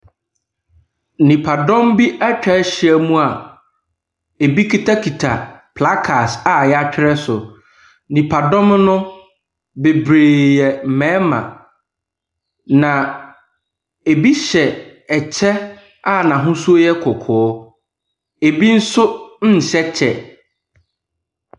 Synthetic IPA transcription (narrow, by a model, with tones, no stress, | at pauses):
nĩ˨pʰa˨dɔ̃˦mbi˦a˦t͡ɕᶣɛ˨˦ɕɪ˦ɛ˦mũ˦a˨ | e˨bi˦kʰi˦tʰa˦kʰi˨tʰa̰˨pʰla˦kʰa˨sa˨jɛ˦a˦t͡ɕᶣɪ˦ɾɛ˦sʊ˨ | nĩ˨pʰa˨dɔ̃˦mnʊ̃˦ | be˨bɾeː˨jɛ˨m̩˨mɛ̃ː˨˦mã̰˨ | nã˨ | e˨bi˦ɕɛ˨ | ɛ˨t͡ɕʰɛ˦ | a˦˨nã˨ɦʊ̃˦su˦jɛ˦kʰʊ˨kʰɔ˨ɔ˦ | e˨bi˦n̩˦sʊ˦n̩˦n̩˨ɕɛ˦t͡ɕʰɛ˨